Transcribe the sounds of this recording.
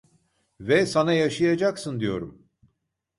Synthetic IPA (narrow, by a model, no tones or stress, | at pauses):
vɛsanajaʃɯjad͡ʒaksɯnd̪ijo̞̰ɾum